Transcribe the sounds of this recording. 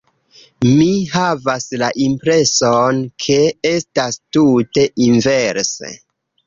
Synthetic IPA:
miɦavaslaʔimpɾe̞sonkʰe̞e̞stastute̞ʔinve̞ɾsḛ

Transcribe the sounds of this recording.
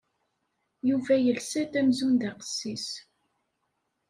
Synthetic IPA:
juvæjəlsæt̪æmzund̪ɑqə̥sːis

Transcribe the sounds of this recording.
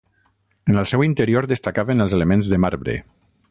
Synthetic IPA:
ənəlˠsɛwint̪əɾioɾd̪əst̪akaβənəlˠzelemẽnzðəmaɾβɾḛ

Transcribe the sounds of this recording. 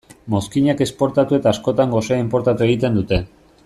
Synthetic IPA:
mo̞skiɲake̞spo̞ɾt̪at̪ue̞t̪aːsko̞t̪aŋɡo̞seaimpo̞ɾt̪at̪ue̞ɣ̞it̪e̞nd̪ut̪e̞

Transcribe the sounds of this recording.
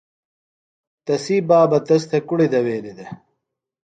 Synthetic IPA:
t̪ɐsiːbaːbɐt̪ɐst̪ʰekuɽid̪ɐweːlid̪e

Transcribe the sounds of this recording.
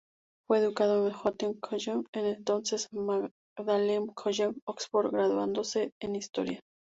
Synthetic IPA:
fweːðukaðoemxot̪eŋkʰoʒemenent̪onsesma | ðalemkʰoʒemoksfoɾɡɾaðwand̪oseːnist̪o̰ɾja

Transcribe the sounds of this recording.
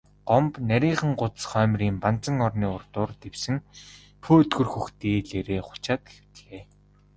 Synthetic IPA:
ɢɔmpnæɾʲiːχə̆ŋɢʊt̪sχœːmriːmpan̥t͡sə̆ŋɔrniːʊrt̪ʊːrt̪ewsɘ̆ŋ | pʰuːɵt̪ɡɵ̆rxuxt̪iːɮeɾeːχʊ̥t͡ɕaːt̪̚ɡexɘ̥̆w̥t̪̆ɮeː

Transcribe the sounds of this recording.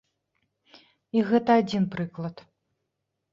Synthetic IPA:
iɣɛt̪ɐad͡zʲinpɾɨklˠɐt̪

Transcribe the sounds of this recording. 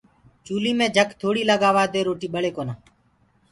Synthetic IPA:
t͡ʃuːliːmẽːd͡ʒʱəkt̪ʰoːɽiːləɠaːʋaːd̪eːɾoːʈiːɓəɭeːkoːnaː

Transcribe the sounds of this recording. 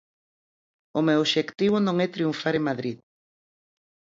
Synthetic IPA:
ʊmewoʃekt̪iβʊnõŋɛt̪ɾiuɱfaɾeŋmaðɾið

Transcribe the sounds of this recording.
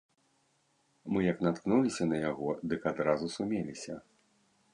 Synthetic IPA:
mɨjɐknat̪knulʲisʲɐnɐjaɣɔd̪ɨkad̪ɾazusumʲelʲisʲɐ

